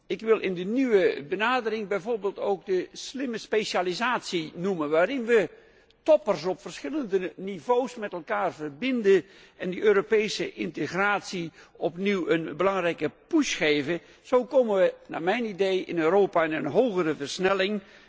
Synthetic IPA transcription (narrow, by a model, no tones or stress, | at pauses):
ɪkʋɪlˠʔɪndənyʋəbənaːdərɪŋbɛjvoːrbeːlˠtowk̚dəslɪməspesalizaːtsinumənʋaːɾɪnʋə | tɔpərsɔpfərsχɪləndənivowsmɛtɛlˠkaːrvərbɪndə | ɛndəʔøːɾopejsəʔɪntəχraːtsiɔpniwənbəlɑŋrɛjkəpusχejvə | z̥owkowmənʋəna̰ːmɛjnidejʔɪ̰nøːɾowpaɛnənɦowɣərəvərɹsnɛlɪŋ